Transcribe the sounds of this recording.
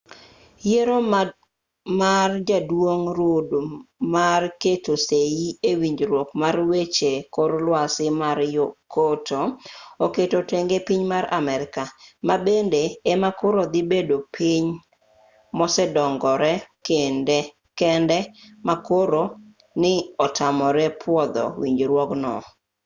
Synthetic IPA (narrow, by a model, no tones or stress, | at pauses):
jeɾo | mard͡ʒadwoŋɾodmarketosejiewiɲd͡ʒɾwokmarwet͡ʃekoɾlwasɪmaɾjokotʰooketoteŋɡepiɲmaɾa̰mɛɾɪkamabendeːmakoɾod̪ibedopʰiɲ | mɔsɛdɔŋɡɔɾɛkendɛ | kɛndɛmakoɾo | nɪɔtʰamɔɾɛpʰwɔd̪ɔ̰wḭɲd͡ʒɾwɔknɔ̰